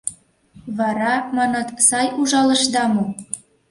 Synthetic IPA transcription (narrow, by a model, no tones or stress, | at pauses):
βɑɾɑmɑnɤ̆t̪sɑjuʒɑlɤ̆ʃd̪ɑmo